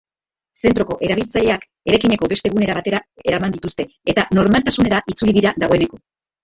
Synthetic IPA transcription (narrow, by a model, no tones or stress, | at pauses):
se̞nt̪ɾo̞ko̞ʔe̞ɾaβilt͡saʎe̞ak | e̞ɾajkiɲe̞ko̞be̞st̪e̞ɣune̞ɾaβ̞at̪e̞ɾae̞ɾamand̪it̪ust̪e̞ | et̪ano̞ɾmalt̪asune̞ɾaʔit͡suliðiɾaðaɣo̞e̞neko̞